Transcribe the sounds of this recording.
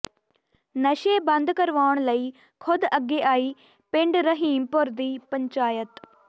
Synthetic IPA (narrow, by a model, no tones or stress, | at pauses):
nəʃeːbənd̪kəɾʋaːɳləiː | kʰʊd̪əɡːeːʔaːiː | pɪ̃ɳɖɾəɦiːmpʊɾd̪iːpəɲt͡ʃaːjət̪